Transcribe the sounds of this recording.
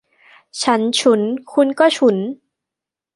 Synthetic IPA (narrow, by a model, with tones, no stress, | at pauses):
t͡ɕʰa˦˥nt͡ɕʰu˦˥nkʰu˧nkɔː˥˩t͡ɕʰu˦˥n